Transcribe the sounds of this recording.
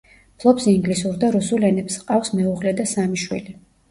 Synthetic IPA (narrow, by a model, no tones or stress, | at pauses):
pʰlˠɔpsiŋɡlisuɾd̪aɾusulɛnɛpsqʼafsmɛuʁlɛd̪asamiʃwḭli